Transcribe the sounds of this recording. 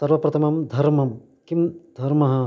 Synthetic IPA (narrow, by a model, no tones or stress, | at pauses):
sɐɾʋɐpɾɐt̪ʰɐmɐmd̪ʱɐɾmɐm | kimd̪ʱɐɾmɐɦɐ